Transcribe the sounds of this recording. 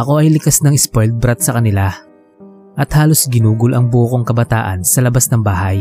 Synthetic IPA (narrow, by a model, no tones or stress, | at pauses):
ʔɐko̞ʔɐjlɪkasnɐŋɪspojld̪̚bɾɐt̪̚sɐkɐnɪla | ʔɐt̪haːlo̞sɡɪnuːɡʊlʔɐŋbokoŋkɐbɐt̪a̰ːʔɐ̰nsɐlɐbasnɐŋbaːhɐj